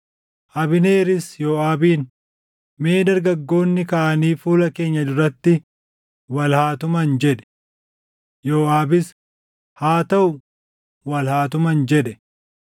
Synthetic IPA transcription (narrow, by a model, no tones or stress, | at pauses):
ʔɐbɪne̞ːɾɪsjoːaːbiːn | me̞ːd̪ɐɾɡɐɡːo̞ːnːɪkɐʔɐniːfuːlɐke̞ːɲːɐd̪ʊɾɐt̪ːɪ | wɐlhaːt̪ʊmɐnd͡ʒɛᶑɛ̥ | joːʔaːbɪs | haːt̪ɐʔʊ | wɐlhaːt̪ʊmɐnd͡ʒɛᶑɛ